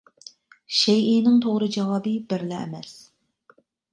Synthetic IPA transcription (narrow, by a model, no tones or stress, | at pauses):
ʃɛjinɪŋt̪ʰoʁɾɨd͡ʒɑwɑːbɨbɪɾlɛɛ̰mɛs